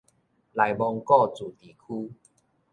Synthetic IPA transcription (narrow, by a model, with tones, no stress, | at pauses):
la˨˩jbɔ˧ŋkɔ˥˧˨t͡su˨˩t̪i˨˩kʰu˦